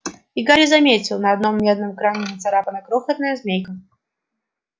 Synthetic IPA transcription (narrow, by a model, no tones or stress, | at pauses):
ɪɡaɾʲɪzɐmʲet͡sʲɪlˠnɐːd̪no̞mːʲed̪̚nəmkɾanʲɪnʲɪt̪sɐɾapənəkɾoxət̪nəjəzmʲejkə